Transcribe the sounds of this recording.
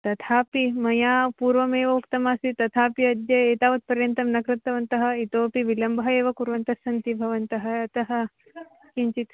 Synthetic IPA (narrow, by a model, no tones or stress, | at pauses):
t̪ɐt̪ʰaːpimɐjaːpuːɾʋɐmeːʋɐukt̪ɐmaːsit̪ɐt̪ʰaːpiɐd̪jɐeːt̪aːʋɐt̪̚pɐɾjɐnt̪ɐmnɐkɾɨt̪ːɐʋɐnt̪ɐɦɐ̆it̪oːpiʋilɐmbʱɦɐeːʋɐkuɾʋɐnt̪ɐsɐnt̪ibʱɐʋɐnt̪ɐɦɐɐt̪ɐɦɐ̆ | kiɲt͡ʃit̪